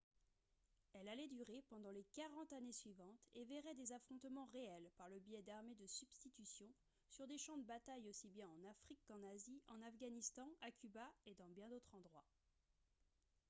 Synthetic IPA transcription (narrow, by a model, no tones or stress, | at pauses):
ɛlalɛd̪yʁepɑ̃d̪ɑ̃lekaʁɑ̃t̪anesɥivɑ̃t̪evɛʁɛd̪ezafχɔ̃t̪mɑ̃ʁeɛlpaʁləbijɛd̪aʁmed̪əsyb̥st̪it̪ysjɔ̃ | syʁd̪eʃɑ̃d̪əbat̪ajosibjɛ̃ɑ̃nafχikːɑ̃naziɑ̃nafɡanist̪ɑ̃ʔakʰʲybaed̪ɑ̃bjɛ̃d̪ot̪χɑ̃d̪ʁwa